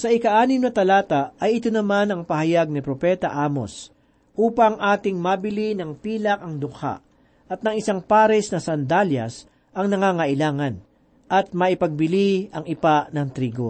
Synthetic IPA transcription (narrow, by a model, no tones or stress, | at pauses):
sɐʔɪkɐʔaːnɪmnɐt̪ɐlaːt̪ɐɐjɪt̪onɐmanɐŋpɐhɐjaɡ̚nɪpɾopɛt̪ɐʔaːmo̞̰s | ʔuːpɐŋʔaːt̪ɪŋmabɪlinɐŋpiːlɐk̚ɐŋd̪ʊka̰ʔ | ʔɐt̪̚nɐŋɪsaŋpaːɾɛsnɐsɐnd̪aljɐ̰s | ɐŋnɐŋaːŋɐʔɪlaːŋɐn | ʔɐt̪̚mɐʔɪpɐɡ̚bɪliɐŋɪpaʔnɐŋt̪ɾiːɡo̞̰